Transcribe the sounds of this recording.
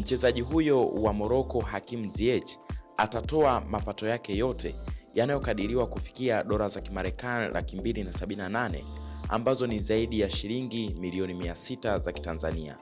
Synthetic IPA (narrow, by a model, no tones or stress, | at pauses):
m̩t͡ʃɛzaʄiɦujɔwamɔɾɔkɔhakim̩ziɛt͡ʃatatɔamapatɔjakɛjɔtʰɛ̰janajɔkaɗiɾiwakufi̥kiaɗɔɾazakimaɾɛkanilʔa̰kimbilinasaɓininananɛ̰ | a̰mbazɔnizaiɗijaʃiɾiŋɡimiliɔnimiasitazaki̥tanzania̰